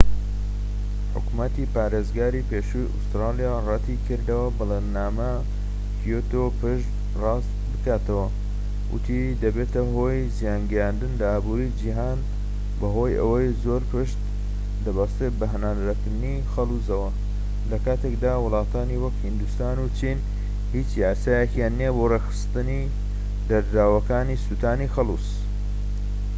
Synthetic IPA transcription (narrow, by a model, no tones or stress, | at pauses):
ħʊ̰kumɐt̪ipaːɾezɡaːɾipeːʃujʔṵst̪ɾɑːlijarɑt̪ʰikʰɨɾd̪ɐwɐbɨlennaːmɐ | fʰijot̪opɨʃt̪ | rɑst̪bɨkaːt̪ɐwɐ | wʊ̰t̪ʰi | d̪ɐbeːt̪ɐɦo̞ːjzijaːnɡɛjand̪ɨnlɐaːbuɾid͡ʒiɦaːn | bɐɦo̞jɐ̰wɐjzoːɾpʰɨʃt̪ | d̪ɐbast̪ɾet̪̚bɐɦɐnaːd̪ɾɐkɨɾd̪ɨni | xɐlˠuzɐwɐ | lɐkaːt̪ʰekd̪aːwʊlˠɑːt̪ʰaːniwɐkhind̪ust̪aːnut͡ʃʰin | hiːt͡ʃjaːsaːjekjaːnːiebo̞rexɨ̥st̪ɨni | d̪ɐɾɾaːwɐkaːnisut̪ʰaːnixɐlˠṵs